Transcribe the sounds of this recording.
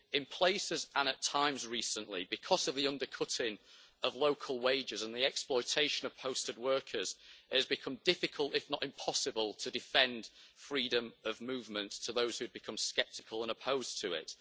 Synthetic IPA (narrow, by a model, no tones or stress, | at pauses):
ɪ̃npʰl̥eɪsɪzʔə̃ñətʰãɪ̃mzɹiˑsə̃nʔlibɪkʰɒz̥əvðiʌ̃ndə˞kʰʊtɪ̃ŋəvloʊkʰəlˠweɪd͡ʒɪzə̃nðiɛksplɔɪtʰeɪʃə̃nəv̥pʰoʊstɨd̚wɜ˞kʰəz̥ɪəzbɨkʰʌ̃mdɪfɪkʰəlˠtɪfnətɪ̃mpʰɒsɨbəlˠtʰədɪfɛ̃nd̥fɹiːdə̃məvmʉːvmə̃nttʰəðoʊz̥hʉd̚bɨkʰʌ̃mskɛp̚tɪkʰəlˠə̃nəpʰoʊz̥tʰəɪ̰t